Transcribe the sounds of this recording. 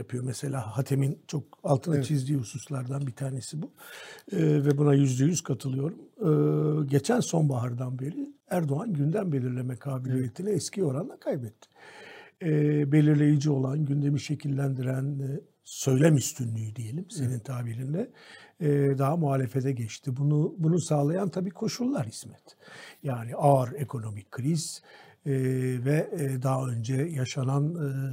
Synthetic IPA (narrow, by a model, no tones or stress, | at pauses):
japʰɯjo̞mɛse̞lʲaːhat̪ʰe̞mint͡ʃʰo̞kalˠt̪ʰɯnat͡ʃʰizd̪iːhususlˠaɾd̪anbit̪ʰaːne̞sibuɯvɛbunajyzd̪ejyz̥kʰat̪ʰɯlˠɯjo̞ɾumɯɟe̞t͡ʃʰænso̞nbaɦaɾd̪anbe̞ɾiæɾd̪o̞anɟynd̪æmbe̞lʲiɾlʲe̞mɛkʰaːbilʲije̞t̪ʰinɛɛscio̞ɾanlˠakʰajbɛt̪ʰːɪ̥ | be̞lʲiɾlʲe̞jid͡ʒio̞lˠanɟynd̪e̞miʃe̞cʰilʲːænd̪iɾæn | sø̞jlʲɛmyst̪ʰynlʲyjyd̪ije̞lʲimse̞nint̪ʰaːbiɾind̪ɛ | d̪aɦamuaːlʲe̞fed̪ɛɟɛt͡ʃt̪ʰibunubunusaːlˠajant̪ʰabiːkʰo̞ʃulˠːaɾhi̥smɛt̪ʰjaːniaɾe̞kʰo̞no̞mikʰɾiz̥ | vɛd̪aɦaø̞nd͡ʒɛjaʃananː